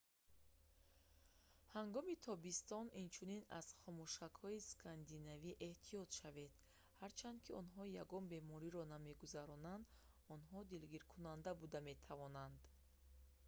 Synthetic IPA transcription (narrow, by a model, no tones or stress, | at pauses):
haŋɡɔmit̪ʰɔbist̪ɔnint͡ʃʰunina̰z̥χɔmuʃakhɔiskʰand̪inaviʔe̞ht̪ʰijɔt̪ʃave̞d̪̥ | haɾt͡ʃʰand̪̚kʰiɔnɦɔjaɡɔnbe̞mɔɾiɾɔname̞ɡuzaɾɔnand̪ | ɔnɦɔd̪ilɡiɾkʰunand̪abud̪ame̞t̪ʰavɔnand̪